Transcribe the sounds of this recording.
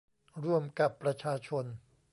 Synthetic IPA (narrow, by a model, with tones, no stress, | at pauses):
ɾu˥˩əmka˨˩pːɾa˧t͡ɕʰaː˧t͡ɕʰo˧n